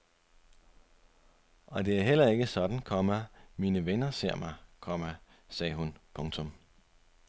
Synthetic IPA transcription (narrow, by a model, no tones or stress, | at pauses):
ʔɒ̽d̥e̝æɐɦel̰ɐe̝ɡ̥əsɒ̽d̥n̩kʰɒ̽mæmiːnəʋenɐse̝ɐ̰mɑ̈ɪkʰɒ̽mæ | sɛːɦunpʰɔ̽ŋt͡sʰɔ̽m